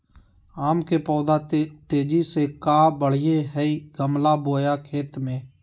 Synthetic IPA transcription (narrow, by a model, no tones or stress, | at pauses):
aːmkeːpɔːd̪aːt̪eːd͡ʒiːseːkaːbəɽ̤ɪjeːɦɛiːɡəmlaːboːjaːkʰeːt̪mẽː